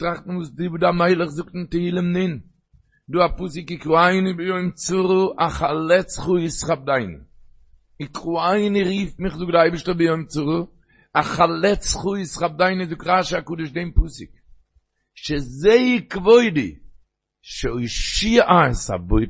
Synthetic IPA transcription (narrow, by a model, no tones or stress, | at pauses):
tɾaχtn̩vuːsdɪbuːdamaɪlˠəχzʊktn̩tɪhiːlˠəmnɪn | duːapus̬ɪkɪkʁuaɪnɪbɪjoʏmt͡suʁəʔaχalˠɛt͡sχuɪsχab̚daɪnɪ̰ | ɪkʁuaɪnɪɾiːfmɪχdʊk̚dɪaɪbəʃtəbɪjoɪmt͡suɾʊ | aχalˠɛt͡sχuɪsχab̚daɪnɪzʊkʁaʃakuːdɪʃdɛmpusɪk | ʃɛzeɪkvoɪdi | ʃɛɔɪʃiʔasa̰boɪ